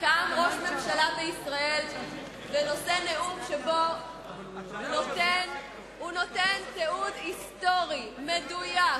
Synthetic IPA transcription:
kaːmʁo̞ʃme̞mʃalabeisʁae̞l | veno̞se̞neʔumʃebo | notn | uno̞t̪enteudist̪o̞ʁimeduja

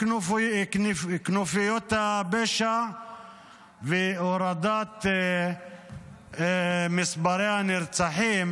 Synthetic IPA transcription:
knufijot̪abeʃa | veoɾad̪at̪ | misbaɾehanɪɾt͡saħim

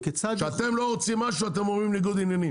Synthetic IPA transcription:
ket͡saʃeat̪e̞mlo̞ʁot͡simːaʃuat̪e̞momʁimniɡud̪injani

